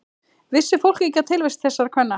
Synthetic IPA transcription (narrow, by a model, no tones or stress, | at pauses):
vɪsːɪfowl̥cicːat̪ʰɪlvejst̪θɛsːaɾ̥kʰvɛnːa